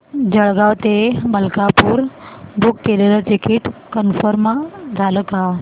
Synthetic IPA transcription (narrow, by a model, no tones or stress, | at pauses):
d͡ʑəɭɡaʋt̪eməlkapuːɾbukːelelət̪ikiʈkənfəɾmad͡zʱaləkaɦ